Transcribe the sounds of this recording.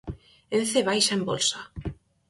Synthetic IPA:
enθeβajʃaembo̰lsa

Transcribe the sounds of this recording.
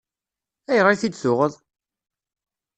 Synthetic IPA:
æjʁɾiθid̪sʊʁəðˤ

